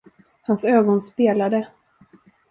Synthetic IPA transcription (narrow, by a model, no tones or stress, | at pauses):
hansøːɡɔnspeːlad̪ə